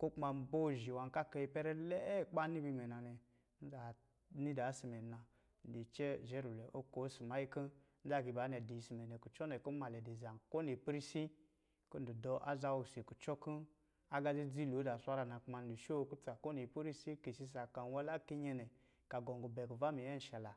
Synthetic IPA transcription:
ku˦k͡pma˧˨bo˦˨ʒi˨wa˨ka˦ka˧i˧pɛ˦ɾɛ˦lɛ˦k͡pa˦ni˦bi˧mɛ˨na˨nɛ˨ | n̩˦za˨ | ni˦da˨˦si˨mɛ˨na˨ | n̩˨di˨t͡ʃɛ˦˨ʒɛ˦ɾu˨lɛ˨ʔo˦ko˨˦si˨ma˨˦i˦kə˦ | n̩˦za˦˨ɡi˧˨ba˨˦nɛ˨di˨si˨mɛ˨nɛ˨ku˨t͡ʃɔ˦nɛ˨ko˦ma˨lɛ˨di˨za˨n˨ko˦ni˨pɾi˦si˦ | ko˦n̩˨du˨dɔ˧ʔa̰˦za˧wu˨se˨ku˨t͡ʃɔ˦ku˦ | a˦ɡa˧zi˦d͡zi˦lu˨˦da˨sʷa˦ɾa˧˨na˨k͡pma˧n˨du˨ʃo˦˧ku˦tu˦a˨ko˦ni˨pi˦ɾi˦si˦ki˨si˧s̬a˨ka˨n˦wa˧˦la˦ki˦ɲɛ˧nɛ˨ | ka˨ɡɔ˨ŋɡu˨bɛ˨ku˨va˦mi˨jɛ˦n̩˨ʃa˨la˨

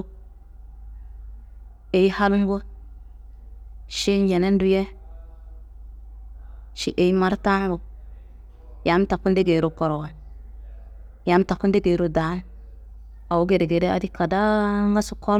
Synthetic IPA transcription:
e˨ji˦ha˦lu˦m˦ɡo˦ | ʃi˦nje˨ne˦n˦du˦je˦ | ʃi˦ʔe˨i˦ma˦ɾta˦bo˨ | ja˨˦m˦ta˨kːu˦nde˦ɡe˨ɾo˦ko˨ɾo˨wa˨ | ja˨˦m˦ta˨kːu˦nde˦ɡe˨ɾo˦da˨˦ | a˨wu˦ɡe˨de˨ɡe˨de˦a̰˨di˦ka˨da˦ŋɡa˦su˨ko˦

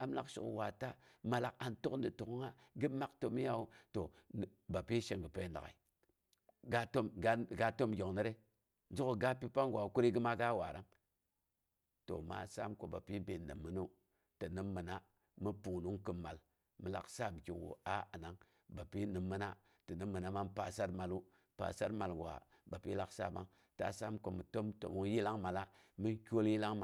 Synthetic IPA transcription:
a˨m˦la̰˨kʃṵ˨kwa˨ta˦ma˨la˨ka˨nto˦kndi˨tu˨kŋa˦ɡɨ˦ma˦kto˨mi˦ja˦wu˦to˨ba˨pi˦ʃe˨ŋɡə˨pe˨˦nda̰˨ka̰˨i˨ | ɡa˦to˦mɡɡa˦to˦mɡʲo˨ŋnə˦ɾe˦ | n˦d͡ʒu˦ku˨ɡa˦pi˦pa˦ŋɡʷwa˨ku˦ɾi˦ɡɨ˦ma˦ɡa˦wa̰˨ɾa˦ŋ | to̰˨ma̰˦sa̰˦mko˨ba˨pi˦be˨nːɨ̰˨mːə˨˦no˦ | tə˨nɨ˦mːə˨na˦ | mi˦pu˨ŋ˨nu˦ŋkɨ˨mːa˨l | mɨ˨la̰˨ksa˦m˨ki˨wṵ˨a˦a˨na˦ŋ | ba˨pi˦nɨ˨mːə˦na˦ | tə˨ni˦mːɨ˨na˦ma˦m˦pa˨sa˦ɾma˨lu˦ | pa̰˨sa˦ɾma˨lɡa̰˨ | ba˨pi˦la˨ksa̰˦˨ba̰˦ŋ | ta̰˦sa˦mko˨mɨ˨to˦mto̰˨mu˦ŋ˦ji˦la˦ŋma˨la˦ | mi˦nkʲo˦lji˦la˦ŋma˨

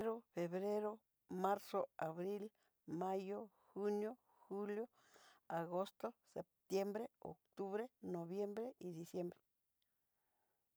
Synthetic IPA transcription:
ɾo˦fe˨βɾe˦ɾo˦ | ma˦ɾso˦a˨βɾi˦l | ma˦jo˦ | xu˦njo˦ | xu˦ljo˦ | a˨ɣo˦st̪o˦se˨p̚t̪je˦mbɾe˦o̰˨kt̪u˦βɾe˦no˨βje˦mbɾe˦ʔi˨d̪i˨sje˦mbɾe˨

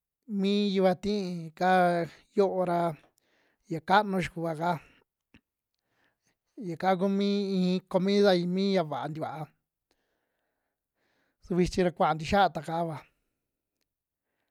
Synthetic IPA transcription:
mĩː˦ju˧βa˧t̪ĩ˦˧ka˦ | jo˦ʔo˧ɾa˧ | ja˨ka˦ʔnũ˧ʃ̬u˨ku˧˨βa˨ka˦ | ja˨ka˦k̬u˦mĩː˦ĩ˧˦ko˧mĩ˦ða˧ĩ˧mĩː˦ja˧βa˨ʔa˧nd̪i˧βa˨ʔa˧ | su˧βi˧t͡ʃĩ˧ɾa˧kʷa˨a˨nd̪i˧ʃa˦a˧t̪a˨ka˧˦βa˨

